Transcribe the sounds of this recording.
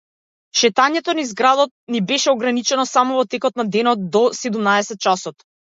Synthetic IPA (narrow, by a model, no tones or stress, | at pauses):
ʃɛt̪aɲɛt̪ɔnizɡɾad̪ɔt̪̚nibɛʃɛɔɡɾanit͡ʃɛnɔsamɔvɔt̪ɛkɔt̪̚nad̪ɛnɔt̪̚d̪ɔsɛd̪umnaɛsɛt̪̚t͡ʃasɔt̪